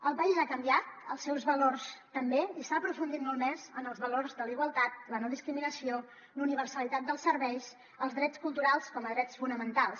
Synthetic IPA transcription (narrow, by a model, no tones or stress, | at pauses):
əlˠβaʎzakəmbiat̪̚ə̰lˠsːɛwzβəlorst̪əmbeisaːpɾufund̪it̪molˠmɛzənəlˠzβəlorzðəliɣwəlˠt̪at̪̚lənɔðiskɾiminəsio | luniβ̞ərsəlit̪at̪̚d̪əlˠsərβɛjs | əlˠzðɾɛt͡skulˠt̪uɾalˠskɔməðɾɛt͡sfunəmənt̪alˠs